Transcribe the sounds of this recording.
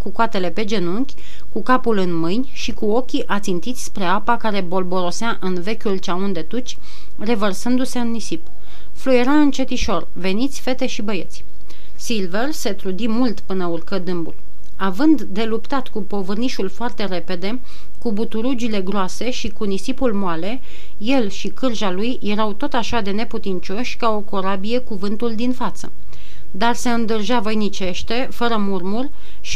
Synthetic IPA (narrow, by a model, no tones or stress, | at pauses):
kukoat̪e̞le̞pe̞d͡ʒe̞nuŋkʲ | kukapulɨnmɨjnʲʃikuo̞kʲiʔat̪sint̪it̪sʲspɾe̞apakaɾe̞bo̞lbo̞ɾo̞seaʔɨnve̞kʲult͡ʃaund̪e̞t̪ut͡ʃʲ | re̞vərsɨnd̪use̞ɨnːisip | flujeɾaɨnt͡ʃe̞t̪iʃo̞r | ve̞nit̪sʲfe̞t̪e̞ʃibəje̞t̪sʲ | silverse̞t̪ɾud̪imult̪pɨnəurkəd̪ɨmbul | avɨnd̪ːe̞lupt̪at̪kupo̞vɨrniʃulfoart̪e̞ɾe̞pe̞d̪e̞ | kubut̪uɾud͡ʒile̞ɡɾoase̞ʃikunisipulmoale̞ | je̞lʃikɨrʒalujje̞ɾawt̪o̞t̪aʃad̪e̞ne̞put̪int͡ʃo̞ʃʲkao̞koɾabijekuvɨnt̪uld̪infat̪sə̰ | d̪arse̞ɨnd̪ɨrʒavəjnit͡ʃe̞ʃt̪e̞fəɾəmurmurʲ | ʃ